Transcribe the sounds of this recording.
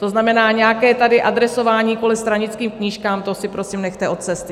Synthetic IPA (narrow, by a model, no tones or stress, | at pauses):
t̪o̞znamɛnaːɲɛjakɛːt̪adɪʔad̪ɾɛso̞vaːɲiːkolɛst̪ɾaɲɪt͡skiːmkɲiːʃkaːmt̪osɪpɾo̞siːmnɛxt̪ɛʔo̞t̪̚t͡sɛst̪ɪ